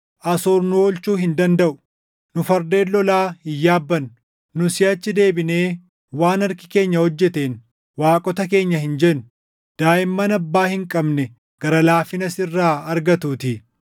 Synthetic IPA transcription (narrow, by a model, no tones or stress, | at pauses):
ʔɐsoːɾnʊoːlt͡ʃuːhɪnd̪ɐnd̪ɐʔʊ̥ | nʊfɐɾd̪e̞ːlːɔlaːhɪjːaːbːɐn | nʊsɪjɐt͡ʃːɪd̪e̞ːbɪne̞ː | waːnɐɾkɪ̥ke̞ːɲːɐhɔd͡ʒːɛt̪eːn | waːkʼɔt̪ɐke̞ːɲːɐhɪnd͡ʒɛn | d̪̥aːɪmːɐnɐbːaːhɪŋkʼɐbnɛ | ɡ̥ɐɾɐlaːfɪnɐsɪrːaːɐɾɡɐt̪uːt̪ɪ